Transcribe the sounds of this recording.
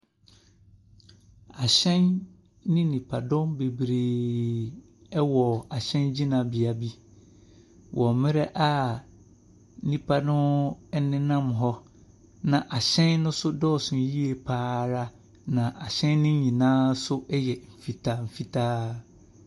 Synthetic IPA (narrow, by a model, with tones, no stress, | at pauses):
a˨ɕɛ̃˦nː | ɪ̃˦nĩ˨pʰa˨dʊ̃˦mbe˨bɾeː˨ | ɛ˦wɔ˨a˨ɕɛ̃˦nd͡ʑi˦nã˨bi˨a˨bi˦ | wʔɔ˨mɪ̃˦ɾɛ˦ʔa˦ | nĩ˨pʰa˦nʊ̃˦nɪ̃˦nã˦mɦɔ˦ | nã˨ʔa˨ɕɛ̃˦nnʊ̃˦sʊ˦dɔː˦˨sʊ̃˨n˦ji˦e˨pʰaː˦ɾa˦ | nã˨ʔa˨ɕɛ̃˦nːɪ̃˦ɲĩ˨nãː˦sʊ˦ʔjɛ˨m̩˨fi˨tʰa˦m̩˨fi˨tʰaː˦